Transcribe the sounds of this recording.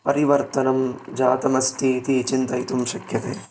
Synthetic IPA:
pɐɾiʋɐɾt̪ɐnɐmd͡ʒaːt̪ɐmɐst̪ʰiːt̪it͡ʃint̪ɐjt̪umʃɐkjɐt̪ḛː

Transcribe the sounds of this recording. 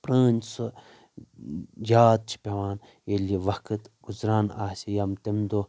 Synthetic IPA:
pɾəːnʲso | jaːd̪̚t͡ʃʰi̥pʲeʋaːn | eliʋɐkɨt̪ɡ̥uzɾaːna̰ːsijamt̪emd̪o

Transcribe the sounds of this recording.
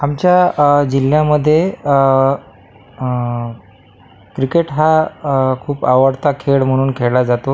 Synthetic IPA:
amt͡ɕjad͡ʑil̤jaməd̪ʱːje | kɾikeʈɦakʰuːpaʋəɽt̪akʰeɭm̤əɽ̃uːnkʰelad͡zat̪o

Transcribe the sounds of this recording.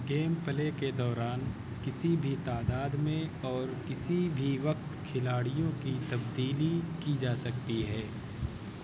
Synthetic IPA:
ɡeːmpəleked̪ɔːɾaːn | kɪsibʱit̪aːd̪aːd̪mẽɔːɾkɪsibʱiʋɐkt̪kʰɪlaːɽijõkit̪ɐbd̪iːlikid͡ʒaːsɐk̚t̪iɦɛː

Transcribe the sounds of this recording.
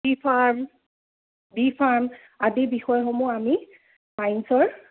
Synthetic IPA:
bipʰaɹm | bipʰaɹm | adibixɔjɦɔmuami | majnsɔɹ

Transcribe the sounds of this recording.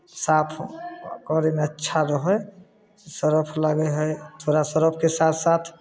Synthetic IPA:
saːpʰkɔɾemeətːʃʰaɾɔɦɔj | səɾəpʰləɡəɦət̪ʰoːɾasəɾəpʰkesaːt̪ʰsat̪ʰ

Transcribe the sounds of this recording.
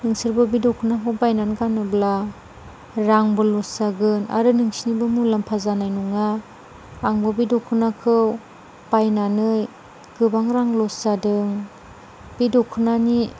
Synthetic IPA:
nɯŋsiɾbɔbidɔkʰɯnaɦʰɯbajnanɡanɯbla | ɾaŋbɯlɔsaɡɯna̰ɾɯnɯŋsinibɯmulampʰazanajnɔŋaː | ŋbɔbidɔkʰɯnakʰɯw | b̥ajnanɯj | ɡ̥ɯbaŋɾaŋlɔsadɯŋ | b̥idɔkʰɯnani

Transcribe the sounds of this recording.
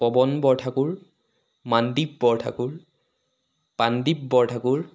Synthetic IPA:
pɔbɔnbɔɹtʰakuɹ | mandip̚bɔɹtʰa̰kuɹ | pandib̚bɔɹtʰakuɹ

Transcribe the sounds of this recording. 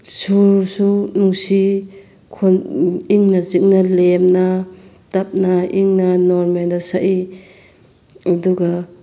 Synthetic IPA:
suɾsunuŋsi | kʰoniŋnazik̚nalemna | tap̚naiŋnɐnɔɾmendasaʔi | aduɡa

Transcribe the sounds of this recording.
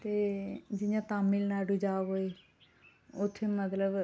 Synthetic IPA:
t̪ed͡ʒɪɲãt̪aːmːilnaːɖud͡ʒaːʋoe | ʊt̪ʰːemɐt̪ləb

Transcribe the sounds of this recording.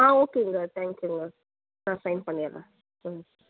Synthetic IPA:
aːoːkeŋɡat̪ʰaːŋkjuŋɡa | nasɐjnpɐɳːjala̰

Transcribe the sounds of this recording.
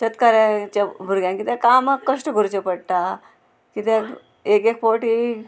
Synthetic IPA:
t͡ɕət̪kaɾãt͡ɕabʱuɾɡjãkit̪ɛ̃kamakːəʂʈəɡʱuɾt͡ɕepəɽt̪a | kit̪ẽ | ekek̚poʈi

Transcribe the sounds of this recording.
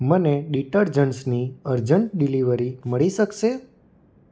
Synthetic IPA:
məneɗiʈəɾd͡ʒənsniəɾd͡ʒəɳʈ̚ɖiliʋəɾiməɭiʃəkʃe

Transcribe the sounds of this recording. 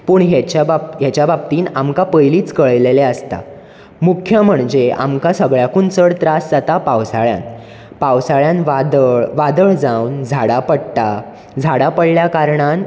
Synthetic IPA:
puːɳɦjet͡ɕabjat͡ɕjababt̪iːnamkapəjliːt͡skəɭleleəst̪a̰ | mukʰjəm̤əɳd͡ʑea̰mkasəɡɭjakunt͡səɽt̪ɾasd͡zat̪apawsaɭjã̰n | pawsaɭjãnʋad̪əɭʋad̪əɭd͡zawnd͡zʱaɽapəɽʈa | d͡zʱaɽapəɽljakaɾɳan

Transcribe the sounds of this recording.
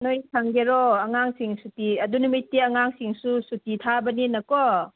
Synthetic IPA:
nojsʰaŋɡeɾɔɐŋaŋsiŋsutiɐdunumitːiɐŋaŋsiŋsusutitʰabɐninɐkɔ

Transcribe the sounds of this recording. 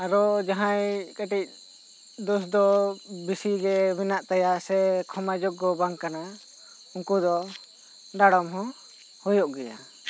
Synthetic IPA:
aɾɔd͡ʒaɦãjkaʈic̚ | d̪usd̪ɔbisiɡɛminaʔt̪ajaʔsɛkʰɔmad͡ʒɔk̚ɡɔbaŋkana | uŋkud̪ɔ | ɖaɽɔmɦɔ̃ | hɔjɔʔɡɛja̰

